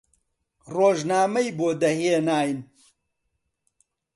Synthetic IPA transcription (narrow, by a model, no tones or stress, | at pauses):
roːʒnaːmɐjboːd̪ɐheːnaːjn